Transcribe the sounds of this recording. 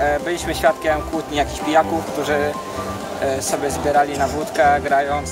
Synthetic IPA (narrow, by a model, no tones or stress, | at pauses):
bɘlʲiɕmɘɕfʲjat̪kʲɛmkwut̪ɲijakʲixpʲijakufkt̪uʐɘ | sɔbʲjɛzbʲɛɾalʲinabwut̪kɛɡɾajɔ̃w̃